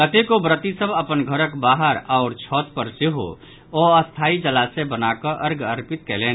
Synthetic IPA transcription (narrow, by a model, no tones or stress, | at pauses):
kət̪ekobɾət̪isəbʱəpənɡʱəɾəkbaːɦəɾaʊɾt͡ʃʰɔːt̪pəɾseɦo̰ | oəst̪ʰaːid͡ʒəlasebənakəʔəɾɡəɾpɪt̪̚keleːn